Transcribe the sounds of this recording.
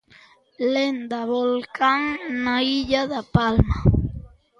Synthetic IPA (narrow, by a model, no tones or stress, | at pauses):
lend̪aβolkaŋnaiʎaðapalma